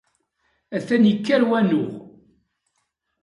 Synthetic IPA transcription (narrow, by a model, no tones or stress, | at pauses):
æθænjəkːæɾwænʊʁ